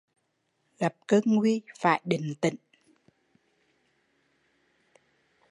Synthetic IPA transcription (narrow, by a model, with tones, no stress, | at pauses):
lə˨˩p̚kəː˧ŋwi˧fa̰ː˧˨jɗï˨˩˨ŋ̟t̪ḭ˧˨ŋ